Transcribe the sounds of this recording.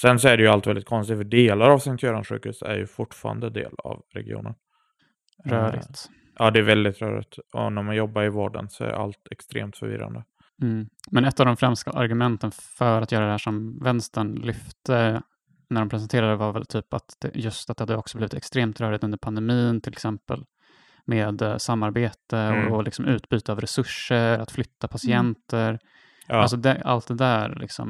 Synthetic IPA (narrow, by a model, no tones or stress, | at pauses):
sɛnsɔæɖɛjɵalt̪vɛld̪ɪt̪̚kʰɔnst̪ɪɡ̪fœɖeːlaɾavsɛŋt̪ʰœːɾanɧʉ̟ːkhʉ̟ːsæ̰ɾjɵ̰fʊʈfɑ̰ːɾand̪əd̪ḛːla̰vɾɛ̰ɡɪṵːnən | ɾœːɾɪ̰t̪ | ʔɑːd̪ɛæɾvɛld̪ɪt̪ɾœ̰ːɾɪ̰t̪ɔ̰næɾmanjɔbːaɾɪvoːɖənsɔæ̰ɾa̰lt̪ɛkst̪ɾeːmt̪fœɾvɪɾːa̰nd̪ə | m̩ːmɛnɛt̪ːavd̪ɔmfɾɛmska̰ʔaɾɡɵmɛnt̪ənfœɾat̪jœːɾad̪ɛhæːʂɔmvɛnst̪əɳlʏft̪ə | næɖɔmpʰɾɛs̬ɛnt̪ʰeːɾad̪əvaɾvɛ̰lt̪ʰyːpat̪d̪̥ɛ̰jɵst̪at̪̚d̪ɛhad̪ːəɔksɔbliːvɪt̪ɛkst̪ɾeːmt̪ɾœːɾɪt̪ɵnd̪əɾpʰand̪ɛmiːnt̪ʰɪlɛksɛmpə̰l | meːd̪samːaɾbeːt̪əɔlɪksɔmʉ̟ːt̪byːt̪əavɾɛsɵʂːəɾat̪flʏt̪ːapʰasɪɛnt̪ʰəɾ | als̬ɔd̪ɛa̰lt̪̚d̪ɛd̪æːɾlɪ̰ksɔ̰m